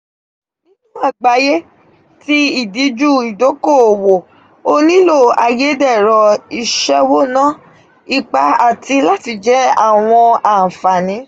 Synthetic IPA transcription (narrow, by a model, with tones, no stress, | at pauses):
nĩ˦nũ˦a˦˨ɡ͡ba˨˦je˦ | ti˦i˦˨di˨˦d͡ʒu˦˨i˨do˨˦ko˦˨o˨wo˨ | o˦nĩ˦lo˦˨a˨je˨˦dɛ˦˨ɾɔ˨i˧ʃɛ˧wo˦nã˦ | i˧k͡pa˧a˨ti˧la˦ti˧d͡ʒɛ˦a̰˦˨w̃ɔ̃˧a˨fa˨nĩ˨˦